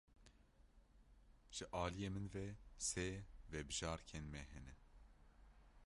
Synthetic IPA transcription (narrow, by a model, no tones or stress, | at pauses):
ʒ̥ɨʔɑːlijeːmɨnvɛsevɛbɨʒɑːɾkʰeːnmɛɦɛnɛ